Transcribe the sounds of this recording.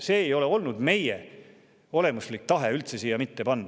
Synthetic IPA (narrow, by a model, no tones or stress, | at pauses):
se̞ːjo̞le̞o̞lnud̪me̞je | o̞le̞muslik̚t̪ɑɦe̞ylt̪se̞siːjɑmit̪ːe̞pɑnd̪